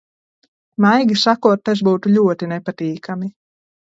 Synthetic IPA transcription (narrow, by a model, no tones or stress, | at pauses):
majɡʲisakuɔt̪̚ːas̬buːt̪uʎʲuɔt̪inepat̪iːkʰami